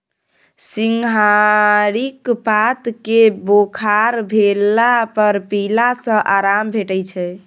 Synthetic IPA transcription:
siŋɡɦaɾikpat̪kebokʰaɾbʱelːapəɾpilasə̃ʔaɾambʱeʈəjt͡ʃʰɛ

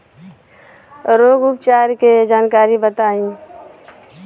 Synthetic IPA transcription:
ɾoːɡʊp̚t͡ʃaːɾked͡ʒaːnkaːɾibət̪aːĩː

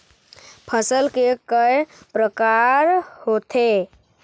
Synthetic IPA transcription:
pʰəsəlkekəj | pɾəkaɾhot̪ʰe

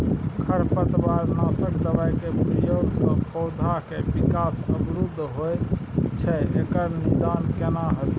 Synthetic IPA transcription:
kʰəɾpət̪baɾnasəkd̪əbajkepɾəjoɡsə̃pʰɔwd̪ʱakebikasəbɾud̪ʱːɦojt͡ʃʰɛekəɾnid̪ankenaɦət̪

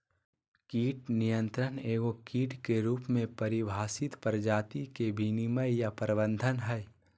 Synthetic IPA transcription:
kiːʈnijə̃nt̪ɾəneːɡokiːʈkeɾuːpmẽpəɾɪbʱaːsɪt̪pəɾd͡ʒaːt̪ikebʱiniməjjapəɾbə̃nd̪ʱənɦɛj

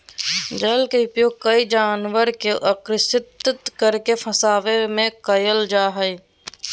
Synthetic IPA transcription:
d͡ʒəlkeʊpjoːɡ̚kəid͡ʒaːnʋəɾkeʔəkɾɪsɪt̪t̪kəɾkefʰəsaːʋemẽkəjəld͡ʒaːɦəi

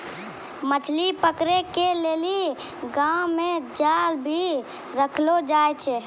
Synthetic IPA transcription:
mət͡ʃʰlipəkɾekeleli | ɡawmed͡ʒalbʱi | ɾəkʰlod͡ʒajt͡ʃʰɛ

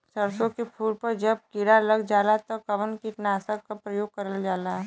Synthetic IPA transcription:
sɐɾsõkepʰuːɾpɐɾd͡ʒɐb̚kɪɾalɐɡd͡ʒaːlat̪okɐʋənkit̪naəsaɡkapɾɐjoːɡ̚kɐɾəld͡ʒaːlaː

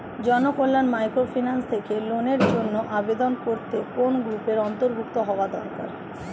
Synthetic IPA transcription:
d͡ʑɔnokolːanmajkɾofʰinanst̪ʰekeloneɾd͡ʑonːoʔabed̪onkoɾt̪ekonɡɾupeɾɔnt̪oɾbʱukt̪oɦɔoad̪ɔ̰ɾka̰ɾ

